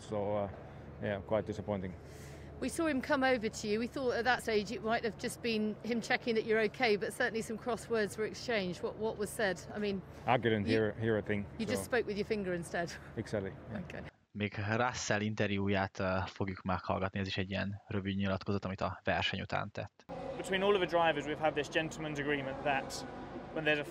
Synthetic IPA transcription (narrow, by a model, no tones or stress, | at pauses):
soʊ | jækʰw̥aɪt̚d̥ɪsəpʰɔ̃ɪntɪ̃ŋ | wisɔːɪ̃mkʰʌ̃moʊvətʰəjʉwiθɔˑtət̪̚ðətsteɪd͡ʒɨʔmaɪt̚hɨvd͡ʒʌsb̥ĩnhɪ̃mt͡ʃʰɛkɪ̃ŋðət͡ʃə˞oʊkʰeɪbʌtsɜˑ˞ʔn̩lisʌ̃mkʰɹ̥ɒswɜːdzwəɹɛkst͡ʃẽɪ̃nd͡ʒdwɒʔwɒʔwɒz̥sɛdaɪmĩn | aɡɛɾə̃nhiɹhiːɹəθɪ̃ŋjɨd͡ʒʌstspoʊkwɨðjəfɪ̃ŋɡə˞ɪ̃nstɛd̥ɛɡsætlijoʊkʰḛɪ | meːɡraːsːɛlint̪ɛɾjuːjaːt̪ːfo̞ɡjukmɛkhɒ̰lɡɒt̪niɛziʃɛɟːiɛnrøvyɲilɒt̪kozot̪ɒmit̪ɒvɛrʃɛɲut̪ʰa̰ːnt̪ɛ̰t̪ːb̥ɪtʰw̥ĩːnɔːlˠəvədɹaɪvəzwiv̥əd̪̚ðɪsd̥ʒ̥ɛ̃ntʰˡl̩ˠmə̃nzəɡɹĩːmə̃nðətwə̃nðəzə